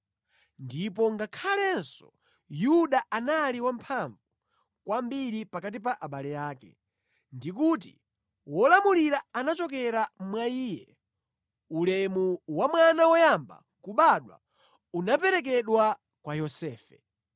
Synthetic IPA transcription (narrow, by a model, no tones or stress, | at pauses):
ndipɔŋɡakʰalɛnsɔ̥ | juɗaʔanaliwampʰaɱvu | kwambiɾipakat̬ip̬aʔaɓalɛjaːkɛ̰ | ndik̬uːt̬ḭ | wɔlamuliɾaanat͡ʃɔkɛɾamwaiːjɛ | ulɛmuwamwanawɔjamba̰ | kuɓaɗwa̰ | unap̬ɛɾɛk̬ɛɗwa | kwajɔsɛːfɛ